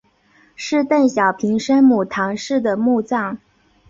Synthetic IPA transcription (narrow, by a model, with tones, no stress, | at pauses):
ʂɻ̩˥˧t̪a˥˩nɕjɑ˨˩ʊpʰi˧˥ŋʂə˥nmu˨˩t̪ʰɑ˧˥ŋʂɻ̩˥˩d̪ə˩mu˥˧t͡sɑ˥˩ŋ